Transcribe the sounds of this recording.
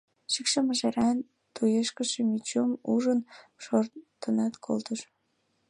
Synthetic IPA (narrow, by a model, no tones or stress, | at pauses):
ʃikʃeməʒeɾɑn | t̪ujeʃkə̆ʃemit͡ɕumuʒənʃort̪ənɑt̪kʰo̰lt̪əʃ